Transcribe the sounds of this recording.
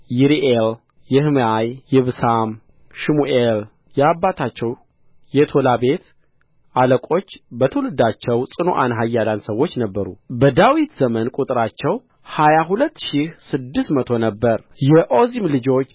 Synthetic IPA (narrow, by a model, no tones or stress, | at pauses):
jiɾiʔel | jɛhɨmajːɛβsam | ʃimuʔel | jɛabːat̪ʰat͡ʃːɛw | jɛt̪ʰo̞labe̞t̪ | ʔaləkʼo̞t͡ʃːbət̪ʰəwlɨd̪at͡ʃːɛwsʼɨno̰ʔanɦajːalansəwːo̞t͡ʃːnəbːəɾubəd̪awit̪zəmənkʼut̪ʼɾat͡ʃːɛw | hajaɦulət̪ːʃihsɨd̪ːɨst̪mət̪ʰo̞nəbːəɾ | jɛʔo̞zimlɨd͡ʒo̞t͡ʃː